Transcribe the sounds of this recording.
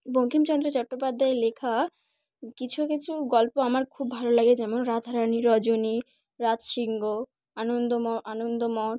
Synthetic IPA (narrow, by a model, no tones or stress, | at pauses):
boŋkʰimt͡ɕɔnd̪ɾot͡ɕɔʈːopad̪ʱːaelekʰa | kit͡ɕʰukit͡ɕʰuɡɔlpoamaɾkʰubːʱalolaɡed͡ʑɛmonɾad̪ʱaɾaniɾɔd͡ʑoni | ɾatʃiŋɡo | anond̪oɔanond̪omɔʈ